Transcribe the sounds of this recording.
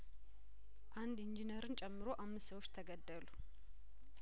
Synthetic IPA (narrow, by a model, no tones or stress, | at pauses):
ʔand̪ind͡ʒinəɾɨnt͡ʃʼɛmːɨɾo̞ʔamːɨst̪səwot͡ʃːt̪ʰəɡəd̪ːəlu